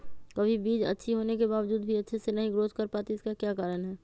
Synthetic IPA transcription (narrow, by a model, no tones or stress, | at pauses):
kɐbʱibiːd͡ʒɐ̰tːʃʰiɦoːnekebaːʋəd͡ʒuːd̪bʱiɐtːʃʰesenɐɦĩɡɾoːzkɐɾpaːt̪iɪskakjaːkaːɾənɦɛː